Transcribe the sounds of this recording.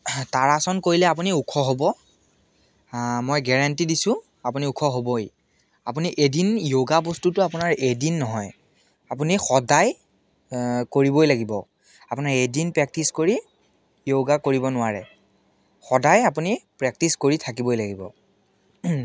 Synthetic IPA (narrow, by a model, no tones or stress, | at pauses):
taɹasɔnkoɹilɛap̬uniukʰɔɦobɔ | mojɡɛɹantidisʊ̃ | apuniukʰɔɦoboj | ap̬uniʔedinjoɡabostutʊapunaɹedinːɔɦɔj | ap̬unixɔdaj | koɹibojlaɡibɔ̰ | apunaɹedinpɹɛk̚tiskoɹi | joɡakoɹibɔnʊwaɹɛ̰ | xɔdajapunipɹɛk̚tiskoɹitʰakibojlaɡibɔ̰